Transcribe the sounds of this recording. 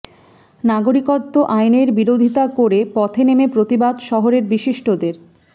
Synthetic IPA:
naɡoɾikot̪ːoʔajneɾbiɾod̪ʱit̪akoɾepɔt̪ʰenemepɾot̪ibad̪ʃɔɦoɾeɾbiʃiʃʈod̪eɾ

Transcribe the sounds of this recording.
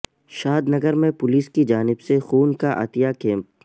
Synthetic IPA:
ʃaːd̪nɐɡəɾmẽpʊliːskid͡ʒaːnɪbsexuːnkaʔa̰ːt̪ijakẽːmp

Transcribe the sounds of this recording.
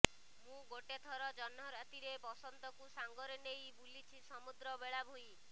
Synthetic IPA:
mũɡoʈet̪ʰɔɾɔd͡ʒɔnɔɾat̪iɾepɔsɔnt̪ɔkusaŋɡɔɾenejbulit͡ʃʰisɔmud̪ɾɔbeɭabʱuj

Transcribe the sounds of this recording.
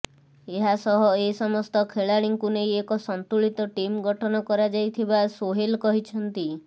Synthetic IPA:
eɦasɔɦɔesɔmɔst̪ɔkʰeɭaɽiŋkunejekɔsɔnt̪uɭit̪ɔʈimɡɔʈʰɔnɔkɔɾad͡ʒajt̪ʰibasoɦelkɔɦit͡ʃʰɔnt̪i

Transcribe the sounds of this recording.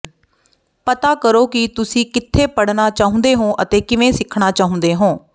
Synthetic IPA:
pət̪aːkəɾoːkɪt̪ʊsĩːkɪt̪ʰːeːpəɽnaːt͡ʃaːɦʊ̃nd̪eːɦõːʔət̪eːkɪʋẽːsɪkʰɳaːt͡ʃaːɦʊ̃nd̪eːɦõː

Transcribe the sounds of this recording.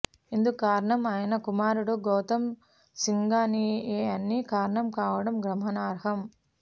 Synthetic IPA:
ind̪ukaːɾɐɳɐmaːjɐnɐkumaːɾuɽoɡoːt̪ɐm | siŋɡaːnieːɐnːikaːɾɐɳɐmkaːʋɐɽɐmɡɾɐmɦɐnaːɾɦɐm

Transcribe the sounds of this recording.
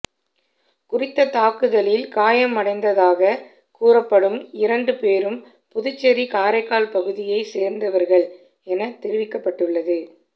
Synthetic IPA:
kʊrɪt̪ːɐt̪aːkɯðɐlɪlkaːjɐmːɐɽɐɪnd̪ɐðaːɣɐ | kuːrɐpːɐɽɯmɪɾɐɳɖɯpeːɾɯm | pʊðʊt͡ʃːɐɾikaːɾɐɪkːaːlpɐɣɯðɪjɐɪseːɾnd̪ɐʋɐɾɣɐɭ | ɛnɐt̪ːɛɾɪʋɪkːɐpːɐʈːɯɭːɐðɯ

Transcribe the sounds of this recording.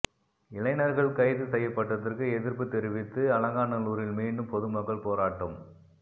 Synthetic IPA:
ɪlɐɪnɐɾɣɐɭkɐɪðɯsɛjːɐpːɐʈːɐðɐrkɯɛðɪɾpɯt̪ːɛɾɪʋɪt̪ːɯɐlɐŋɡaːnɐluːɾɪlmiːɳɖɯmpɔðɯmɐkːɐɭpoːɾaːʈːɯm

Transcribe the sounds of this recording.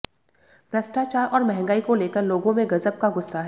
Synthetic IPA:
pɾɐsʈaːt͡ʃaːɾʔɔːɾmɛɦɛ̃ŋɡaːikoleːkəɾloːɡõmẽɡɐzəb̚kaɡʊsːaɦɛ

